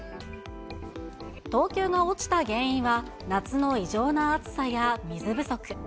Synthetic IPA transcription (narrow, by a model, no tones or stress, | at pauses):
t̪o̞ːkʲo̞ːɡao̞t͡ɕi̥t̪aɡẽ̞ɰ̃ĩɰ̃βa | nat͡sɨno̞iʑo̞ːnaːt͡sɨ̥sajamʲizɨbɯ̟so̞kɯ̟̥